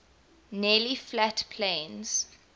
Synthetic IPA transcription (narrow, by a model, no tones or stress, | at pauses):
nɛliflatpʰlẽnz̥